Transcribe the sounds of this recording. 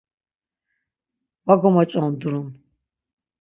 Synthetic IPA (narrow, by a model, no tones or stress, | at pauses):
waɡɔmat͡ʃʷʼand̪uɾun